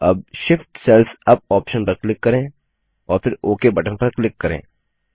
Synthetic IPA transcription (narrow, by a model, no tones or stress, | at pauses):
ɐbʃɪfʈsɛlfʰɐb̚ɔːpʃənpɐklɪkːɐɾẽː | ɔːɾpʰɪɾoːkebɐʈə̃npɐɾklɪkːɐɾḛ̃ː